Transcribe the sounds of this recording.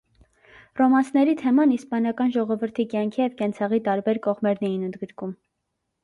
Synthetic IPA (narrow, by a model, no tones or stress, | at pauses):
rɔmɑnsnɛɾit̪ʰɛmɑnispɑnɑkɑnʒɔʁɔvəɾt̪ʰikjɑŋkʰijɛvkɛnt͡sʰɑʁit̪ɑɾbɛɾkɔʁmɛɾnɛjinənd̪ɡəɾkum